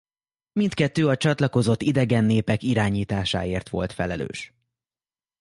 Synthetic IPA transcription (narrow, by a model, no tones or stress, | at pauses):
mint̪kɛt̪ːøːɒt͡ʃɒt̪lɒko̞zo̞t̪ːid̪ɛɡɛnːeːpɛkiɾaːɲiːt̪aːʃa̰ːeːrt̪ʋo̞̰lt̪fɛlɛlø̰ːʃ